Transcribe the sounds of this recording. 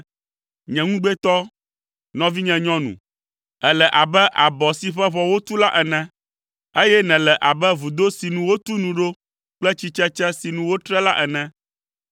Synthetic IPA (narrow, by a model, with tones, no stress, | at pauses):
ɲɛ̃˨ŋũ˦ɡ͡bɛ˦t̪ɔ˦ | nɔ̃˦vi˦ɲɛ̃˨ɲɔ̃˦nṵ̃˨ | ɛ˨lɛ˨ʔa˨bɛ˦ʔa˨bɔ˨si˨ɸɛ˦βɔ˨wo˦t̪u˦la˦ʔɛ˨nɛ̃˦ | e˦jɛ˦nɛ̃˨lɛ˨ʔa˨bɛ˦vu˨d̪o˦si˨nũ˨wo˦t̪u˦nũ˨ɖo˦ | k͡plɛ˦t͡ɕi˦t͡ʃɛ˦t͡ʃɛ˦si˨nũ˦wo˦t̪ɾɛ˦la˦ʔɛ˨nɛ̃˦